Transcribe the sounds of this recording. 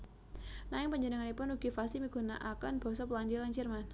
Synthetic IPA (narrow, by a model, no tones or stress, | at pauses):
naɪŋpəɲd͡ʒənəŋanipʊnuɡ̥i̤fasimiɡ̥ṳna̰ʔakanb̥ɔ̤sɔpəland͡ʒilaɲt͡ʃɪrman